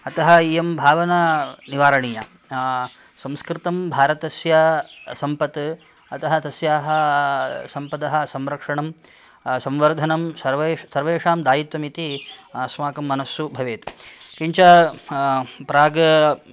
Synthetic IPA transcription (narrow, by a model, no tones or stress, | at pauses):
ɐt̪ɐɦɐijɐmbʱaːʋɐnɐniʋaːɾɐɳijɐ | sɐ̃mskɾɪt̪ɐmbʱaːɾɐt̪ɐsjɐsɐmpɐt̪ | ɐt̪ɐɦɐt̪ɐsjaːɦɐ | sɐmpɐd̪ɐɦɐ̆sɐmɾɐkʂɐɳɐm | sɐ̃mʋɐɾd̪ʱɐnɐmsɐɾʋeːsɐɾʋeːʂaːmd̪aːjit̪ʋɐmit̪iɐsmaːkɐmːɐnɐsubʱɐʋeːt̪kiɲt͡ʃɐ | pɾaːɡɐ